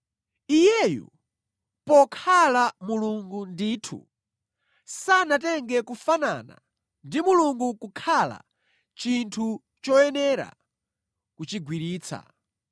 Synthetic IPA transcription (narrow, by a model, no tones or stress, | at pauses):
ijɛjɔ̰ | pɔkʰalamuluŋɡundiːtʰṵ | sanatɛŋɡɛkufana̰na̰ | ndimuluŋɡukukʰala̰ | t͡ʃintʰu | t͡ʃɔɛnɛɾa̰ | kut͡ʃiɡwiɾiːt͡sʰa̰